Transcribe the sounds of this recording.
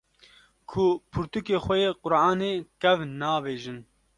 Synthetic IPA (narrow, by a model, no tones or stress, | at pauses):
kʰʊpʰʊɾt̪ukeːxʷɛjeːqʊɾʔɑːneːkɛvnaːbeːʒɨn